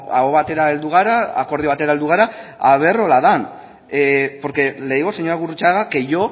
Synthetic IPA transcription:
a̰ɣoβat̪e̞ɾae̞ld̪uɣ̞aɾaa̰ko̞ɾðioat̪e̞ɾaeld̪uɣ̞aɾaaβ̞e̞ro̞laðan | po̞ɾke̞le̞jɣo̞seɲoɾaɣurut͡ʃaɣake̞jo̞

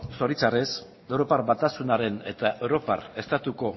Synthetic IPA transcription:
so̞ɾit͡sares | ewɾo̞paɾβat̪asunaɾe̞ne̞t̪aʔe̞wɾo̞pa̰re̞st̪at̪uko̞

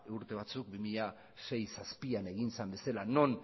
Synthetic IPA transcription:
uɾt̪e̞β̞at͡suk̚bimiʎa | ʃe̞jsaspiane̞ɣinsambe̞salano̞n

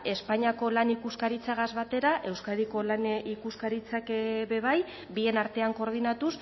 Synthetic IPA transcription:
e̞spaɲiako̞lanikuskaɾit͡saɣazβat̪e̞ɾaʔe̞wskaðiko̞lanikuskaɾit͡sakβe̞β̞aj | bie̞naɾt̪eaŋko̞ɾð̞inat̪us

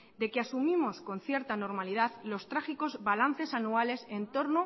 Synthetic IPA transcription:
d̪e̞keasumĩmo̞sko̞n̟θje̞ɾt̪ano̞ɾmalið̞aðlo̞st̪ɾaxiko̞zβalanθe̞sanuale̞se̞nt̪o̞ɾno

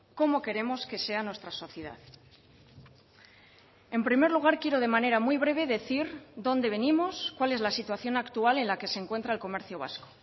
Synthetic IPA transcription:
ko̞mo̞ke̞ɾe̞mo̞ske̞se̞anwe̞st̪ɾaso̞θjeða̰θ | e̞mpɾime̞ɾluɣ̞aɾkjeɾo̞ð̞e̞mane̞ɾamwijβɾe̞β̞e̞ðe̞θiɾðo̞nd̪e̞β̞e̞nimo̞skwale̞zlasit̪waθjo̞nakt̪uale̞nlake̞seŋkwe̞nt̪ɾaelko̞me̞ɾθjoβ̞a̰sko̥

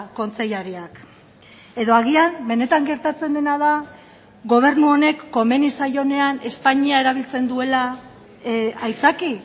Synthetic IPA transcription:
ko̞nt͡se̞jaɾiak | e̞ðo̞aɣ̞iambe̞ne̞t̪aŋɡe̞ɾt̪at͡se̞nd̪e̞nað̞a | ɡo̞β̞e̞ɾnuo̞ne̞kːo̞me̞nisajo̞ne̞ane̞spaɲiae̞ɾaβ̞ilt͡se̞nd̪ue̞la | ajt͡saki

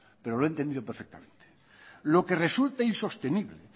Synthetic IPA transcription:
peɾoloent̪end̪iðopeɾfek̚t̪a̰mẽ̞nt̪e̥ | lo̞keresult̪ainso̞st̪eniβlḛ

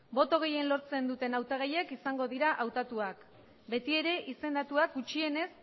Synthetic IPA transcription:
bo̞t̪o̞ɣ̞e̞je̞nlo̞ɾt͡se̞nd̪ut̪e̞nawt̪aɣ̞ajekisaŋɡo̞ðiɾaʔawt̪at̪uak | be̞t̪ie̞ɾe̞ʔise̞nd̪at̪uakɡut͡ʃie̞ne̞s

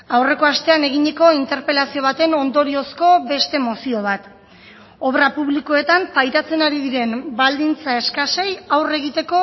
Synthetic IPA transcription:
awre̞ko̞ast̪e̞ane̞ɣ̞iɲeko̞int̪e̞ɾpe̞lasio̞βat̪e̞no̞nd̪o̞ɾio̞sko̞be̞st̪e̞mo̞sio̞β̞at̪ | o̞βɾapuβlikoe̞t̪ampajɾat͡se̞naɾiðiɾe̞mbald̪int͡sae̞skase̞jawre̞ɣ̞it̪e̞ko̞

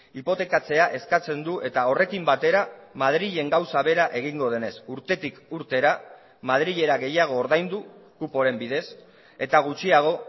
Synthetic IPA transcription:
ipo̞t̪e̞kat͡se̞aʔe̞skat͡se̞nd̪uʔe̞t̪ao̞rʔe̞kimbat̪e̞ɾamað̞ɾiʎe̞ŋɡawsaβe̞ɾaʔe̞ɣ̞iŋɡo̞ð̞e̞ne̞suɾt̪e̞t̪ikuɾt̪e̞ɾa | mað̞ɾiʎe̞ɾaɣe̞jaɣ̞o̞ːɾðajnd̪ukupo̞ɾe̞mbiðe̞s | e̞t̪aɣ̞ut͡ʃiaɣ̞o̞

